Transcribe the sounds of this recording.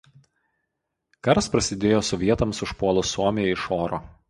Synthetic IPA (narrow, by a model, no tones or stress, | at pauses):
kɐɾspɾɐsʲɪd̪ʲeːjoːsʊʋʲiɛt̪ɐmsʊʃpuɔlˠʊsuɔmʲɪjɛɪʃoːɾoː